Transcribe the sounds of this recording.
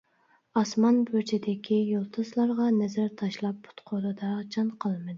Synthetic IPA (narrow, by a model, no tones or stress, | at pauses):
ɑsmɑnbøt͡ʃʰɪd̪ɪkʲʰijolˠt̪ʰɨslˠɑɾʁɑnɛzæɾt̪ʰɑʃlˠɑp̚ːʊ̥t̪qʰod̪ɨd̪ɑɾʁt͡ʃʰɑnqʰɑlˠmɨd̪ɪ